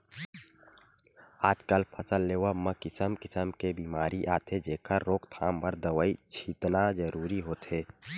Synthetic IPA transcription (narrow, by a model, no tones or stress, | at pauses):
aːd͡ʒkəlpʰəsəlːeːwaməkɪsəmkɪsəmkebiːmaːɾiʔaːt̪ʰed͡ʒeːkʰəɾːoːkt̪ʰaːmbəɾd̪əʋəit͡ʃʰit̪nad͡ʒəɾuːɾiɦoːt̪eː